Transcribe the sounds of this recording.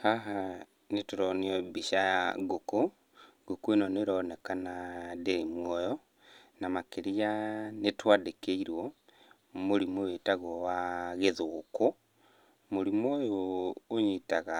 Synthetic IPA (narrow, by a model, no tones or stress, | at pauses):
haɦa | netuɾɔniɔbiʃaɡoko | ɡokuenoneɾɔnekanadeimwɔjɔ | namakeɾianetwaːdekeiɾwɔ | moɾimowetaɣowaɣeðoːko | moɾimojoːɲitaɣa